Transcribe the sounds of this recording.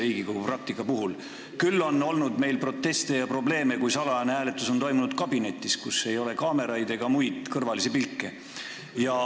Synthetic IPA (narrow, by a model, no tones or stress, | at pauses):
iːɡ̥ikoɡ̥uprɑk̚t̪ikːˑɑpuɦul | kylːo̞nːo̞lnud̪me̞jlpro̞t̪ːe̞st̪e̞jɑpro̞ble̞ːme̞kujsɑlɑneɦæːle̞t̪ːˑuso̞nt̪o̞jmunud̪̚kɑbine̞t̪ːˑiskuse̞jo̞le̞kɑːme̞ɾɑjd̪e̞ɡ̥ɑmujd̪̥kɤrvɑlisepilkːe̞ | jɑ